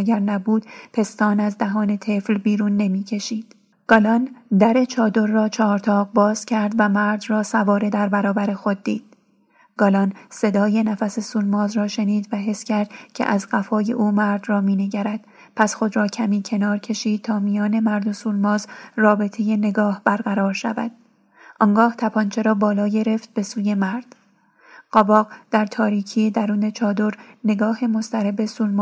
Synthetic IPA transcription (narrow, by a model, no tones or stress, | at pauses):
ɟæɾnæbuːd̪̥pʰe̞st̪ɒːnæzd̪æɦɒːne̞t̪ʰe̞flbiːɾuːnːe̞miːcʰe̞ʃiːd̪̥ | ɡ̥ɒlɒnd̪æɾe̞t͡ʃʰɒːd̪o̞ɾːɒːt͡ʃʰɒːɾt̪ʰɒːʁbɒːz̥cʲʰæɾd̪væmæɾd̪rɒːsævɒːɾe̞d̪æɾbæɾɒːbæɾe̞xo̞d̪̚ːiːd̪̥̚ | ɡ̥ɒːlɒnse̞d̪ɒːje̞næfæse̞suːlmɒːzrɒːʃe̞niːd̪væɦe̞sːcʰæɾd̪̥cʰḛʔæzɢæfɒːje̞̰ʔuːmæɾd̪rɒːmiːne̞ɟæɾæd̪̥ | pʰæsxo̞d̪ɾɒːcʰæmiːcʰe̞nɒːɾcʰe̞ʃiːd̪̥̚t̪ʰɒːmijɒːne̞mæɾd̪o̞suːlmɒːzrɒːbe̞t̪ʰe̞je̞ne̞ɡɒːhb̥æɾɡæɾɒːɾʃæ̰væ̰d̪̥̚ | ʔɒːŋɡɒːht̪ʰæpʰɒnt͡ʃʰe̞ɾɒːbɒːlɒːɟe̞ɾe̞ft̪̚be̞suːje̞mæɾd̪̥ | ɢ̥ɒbɒːɡd̪̥æɾt̪ʰɒːɾiːcʰied̪æɾuːne̞t͡ʃʰɒːd̪o̞ɾne̞ɡɒːhe̞mo̞st̪ʰæɾebe̞suːlmː